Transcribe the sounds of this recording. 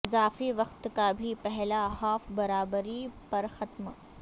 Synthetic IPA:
ɪzaːfiʋɐqt̪kabʱipɛɦlaɦaːfbɐɾaːbəɾipɐɾxɐt̪m

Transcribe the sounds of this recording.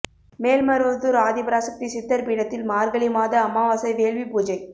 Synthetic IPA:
meːlmɐɾɯʋɐt̪ːuɾaːðɪbɾaːsɐk̚t̪isɪt̪ːɐɾpiːɽɐt̪ːɪlmaːɾɡɐɭɪmaːðɐɐmːaːʋaːsɐɪʋeːɭʋipuːd͡ʒɐɪ

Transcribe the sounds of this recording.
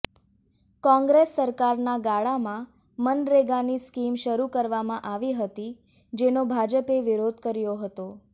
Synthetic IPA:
kɔ̃ŋɡɾesːəɾkaɾnaɡaɭamã | mənɾeɡaniskimʃəɾukəɾʋamãʔaʋiɦət̪i | d͡ʒenobʱad͡ʒəpeʋiɾod̪ʱkəɾjoɦət̪o

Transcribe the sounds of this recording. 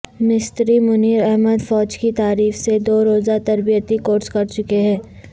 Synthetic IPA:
mɪst̪ɾimʊniːɾɛɦməd̪fɔːd͡ʒkit̪aːɾiːfsed̪oːɾoːzat̪ɐɾbijət̪ikoːɾskɐɾt͡ʃʊkeɦɛ̃ː

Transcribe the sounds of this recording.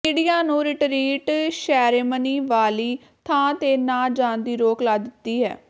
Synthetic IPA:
ɪ̃ɽijaːnũːɾɪʈɾiːʈʃɛːɾeːməniːʋaːliː | t̪ʰãːt̪eːnãːd͡ʒãːnd̪iːɾoːklaːd̪ɪt̪ːiːɦɛ̰ː

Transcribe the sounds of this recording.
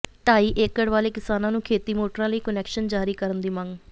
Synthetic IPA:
ʈaːiːʔeːkːəɽʋaːleːkɪsaːnãːnũːkʰeːt̪iːmoːʈəɾãːləiːkənɛːkʃənd͡ʒaːɾiːkəɾənd̪iːmə̃ŋɡ

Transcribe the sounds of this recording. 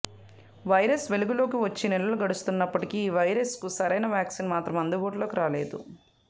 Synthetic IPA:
ʋɐjɾɐsʋe̞luɡulo̞ːkiʋɐt͡ʃːinɛlːɐluɡɐɽust̪unːɐpːɐʈikiːʋɐjɾɐskusɐɾɐjnɐʋjaːksinmaːt̪ɾɐmɐnd̪uʋoːʈlo̞ːkiɾaːle̞̰ːd̪ṵ

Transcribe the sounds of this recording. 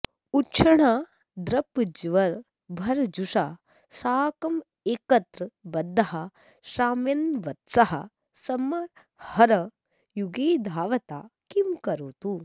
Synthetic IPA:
utːʃʰɐɳaː | d̪ɾɐpd͡ʒʋɐɾ | bʱɐɾd͡ʒuʂaː | saːkɐm | eːkɐt̪ɾɐbɐd̪ʱːɐɦɐ | ʃaːmjɐnʋɐt̪sɐɦɐ̰ | sɐmːɐɾ | hɐɾɐ | juɡeːd̪ʱaːʋɐt̪a̰ːkimkɐɾuːt̪u

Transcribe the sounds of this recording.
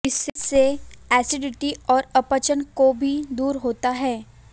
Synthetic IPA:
ɪsseɛːsɪɖɪʈiɔːɾɐpət͡ʃənkobʱid̪uːɾɦoːt̪aɦɛː

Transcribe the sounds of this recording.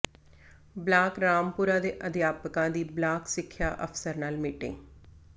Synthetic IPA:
blaːkɾaːmpʊɾãːd̪eːʔəd̪jaːpəkãːd̪iːblaːksɪkʰːjaːʔəfsəɾnaːlmiːʈɪ̰̃ŋɡ

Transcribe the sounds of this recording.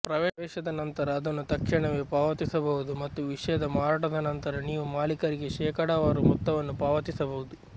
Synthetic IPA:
pɾɐʋɛːɛːʃɐd̪ɐnɐnt̪ɐɾɐːd̪ɐnːut̪ɐkʂɐɳɐʋeːpaːʋɐt̪isɐbɐɣud̪umɐt̪ːuʋiʂɐjɐd̪ɐmaːɾaːʈɐd̪ɐnɐnt̪ɐɾɐniːʋumaːlikɐɾiɡeʃɛːkɐɽaʋaːɾumut̪ːɐʋɐnːupaːʋɐt̪isɐbɐʋud̪u

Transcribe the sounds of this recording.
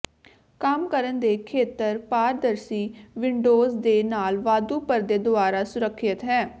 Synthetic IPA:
kəmkəɾənd̪eːkʰeːt̪əɾpaːɾd̪əɾsiːʋɪɳɖoːzd̪eːnaːlʋaːd̪uːpəɾd̪eːd̪ʊaːɾaːsʊɾəkʰːɪt̪ɦɛː

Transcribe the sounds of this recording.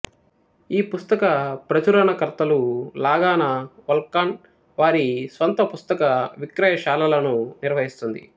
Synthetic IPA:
iːpust̪ɐkɐpɾɐt͡ʃuɾɐnɐkɐɾt̪ɐlulaːɡaːnɐʋɐlkːaːn | ʋaːɾisʋɐnt̪ɐpust̪ɐkɐʋikɾɐjɐʃaːlɐlɐnuniɾʋɐɦist̪und̪ḭ

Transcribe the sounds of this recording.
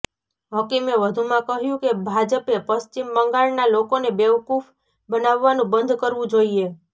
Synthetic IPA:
ɦɔkimeʋəd̪ʱumãkəɦjũkebʱad͡ʒəpepəst͡ʃimːəŋɡaɭnalokonebeʋkuf | bənaʋːanũbənd̪ʱkəɾʋũd͡ʒoie

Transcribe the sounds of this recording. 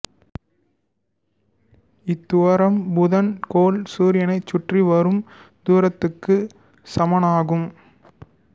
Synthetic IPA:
ɪt̪ːʊʋɐɾɐmbʊðɐnkoːlsuːɾɪjɐnɐɪt͡ʃːʊʈriʋɐɾɯm | d̪uːɾɐt̪ːɯkːɯ | sɐmɐnaːɣɯm

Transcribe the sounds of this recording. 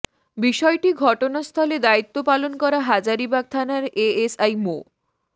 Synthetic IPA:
biʃɔeʈiɡʱɔʈonast̪ʰɔled̪ait̪ːopalonkɔɾaɦad͡ʑaɾibaɡ̚t̪ʰanaɾeesajmo

